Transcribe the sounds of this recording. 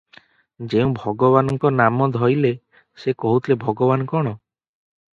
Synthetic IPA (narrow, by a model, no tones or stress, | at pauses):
d͡ʒeũbʱɔɡɔβanɔŋkɔnamɔd̪ʱɔjle | sekɔɦut̪ʰilebʱɔɡɔbanɔkɔɽ̃ɔ